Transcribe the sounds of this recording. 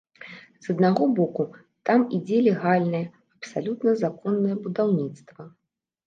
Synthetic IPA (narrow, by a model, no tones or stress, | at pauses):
z̥ɐd̪naɣɔbɔku | t̪amid͡zʲɛlʲɛɣalʲnɐjɐ | ɐpsalʲut̪nɐzakɔnːɐjɐbud̪awnʲit̪st̪vɐ